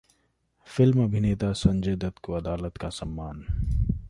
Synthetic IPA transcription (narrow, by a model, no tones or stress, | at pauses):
fɪlmɐbʱɪneːt̪asɐ̃nd͡ʒeːd̪ət̪koɐd̪aːlət̪kasɐmːaːn